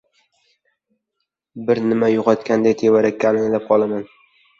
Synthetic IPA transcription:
bɪɾnɪmajʊqʰɒt̪kʲand̪ajt̪ʰevaɾakʲːaːlɪŋlap̚qʰɒlˠaman

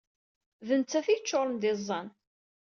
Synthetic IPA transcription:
vənt͡s̪ːæθit͡ʃːoɾˤmd̪ɪzˤːɑn

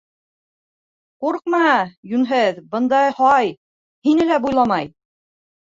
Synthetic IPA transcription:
quɾq̚mɑjʉnɦɘðbɤ̆nd̪ɑjhɑj | hinɘlæbujlˠɑmɑj

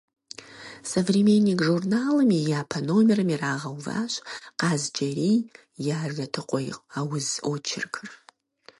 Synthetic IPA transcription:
sɐvrimenːikʒurnaːlɨmijaːpʰɐnoːmɪrɨmiraːʁɐwva̰ːɕqɑːzd͡ʒʼɐɾiː | jaːrɐtʰɨqʷʼɔj̰aːwʊzʔot͡ʃʰɪ̰rkʰɨr

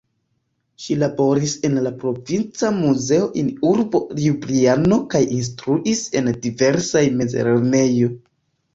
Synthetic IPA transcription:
ʃilabo̞ɾise̞nlapɾo̞vint͡samuze̞o̞ʔinuɾbo̞libliano̞kajins̬tɾuʔise̞ndive̞ɾsajme̞zḛɾeɾne̞jo̞

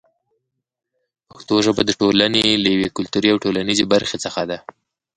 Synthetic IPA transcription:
pəxt̪oʒəbad̪əʈolanelajawekʊlt̪uɾiawʈolanizebaɾxet͡səxad̪a

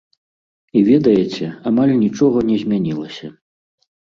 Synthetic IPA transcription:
ivʲɛd̪ɐjɛt͡sʲɛamalʲnʲit͡ʂɔɣɐnʲɛzʲmʲanʲilˠɐsʲɐ

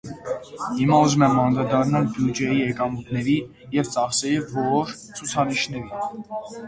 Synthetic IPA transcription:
himɑuzumɛmɑnɾɑd̪ɑrnɑlbjud͡ʒɛjiɛkɑmut̪ʰnɛɾi | jɛvt͡sɑχsɛɾivɔɔɾ | t͡sʰut͡sʰɑniʃnɛɾi

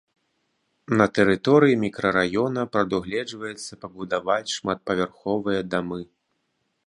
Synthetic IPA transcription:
nɐt̪ɛɾɨt̪ɔɾɨjimʲikɾɐɾajɔnɐpɾɐd̪uɣlʲɛd͡ʐvɐjɛt̪sːɐpɐbud̪avat͡sʲʂmat̪̚pɐvʲarxɔvɨjɐd̪amɨ

